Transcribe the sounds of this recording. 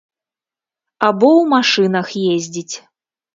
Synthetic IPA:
abɔwmaʂɨnɐxjezʲd͡zʲit͡sʲ

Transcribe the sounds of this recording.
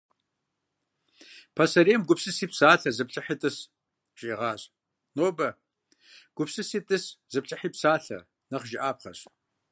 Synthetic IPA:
pʰɐsɐɾeːmɡʷʊpsɨsiːpsaːɬɐzɨpɬʼɐħitʼɨs | ʒ̥ʼeːʁɑːɕ | noːbɐ | ɡ̥ʷʊpsɨsiːtʼɨszɨpt͡ʃʼɐħiːpsaːɬɐ̰ | nɐχʒɪʔaːpχɐ̰ɕ

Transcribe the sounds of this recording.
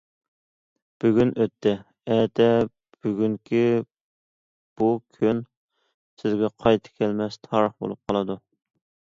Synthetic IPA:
b̥yɡʲynʔøt̪ʰːɛ | ɛt̪ʰɛ | b̥yɡʲyŋkʲʰi | b̥ukʲʰøn | sɪzɡʲɛqʰɑjt̪ʰɨ̥kʲʰɛlmɛst̪ʰɑɾəχbo̰lˠup̚qʰɑlˠɨd̪u

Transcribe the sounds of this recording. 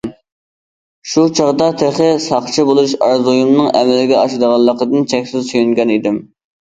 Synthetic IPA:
ʃut͡ʃʰɑʁd̪ɑt̪ʰeχəsɑχt͡ʃʰibolˠuʃɑɾzujumnɨŋɛmɪlɪɡʲɛɑʃɨd̪əʁɑlˠːəqəd̪ɨnt͡ʃʰɛkʲsɪzsyjyŋɡʲɛnid̪ɪm

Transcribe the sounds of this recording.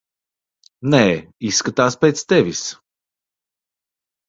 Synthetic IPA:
nɛːisːkat̪aːspʲeːt̪st̪ɛvʲis

